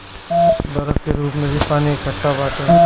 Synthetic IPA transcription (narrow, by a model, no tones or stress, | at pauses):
bɐɾəbkeɾuːpmẽbipaːniekkʰɐʈːabaːt̪a